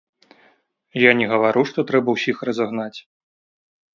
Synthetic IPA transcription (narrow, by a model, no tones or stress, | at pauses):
janʲɛɣɐvaɾuʂt̪ɔt̪ɾɛbɐwsʲixrɐzaɣnat͡sʲ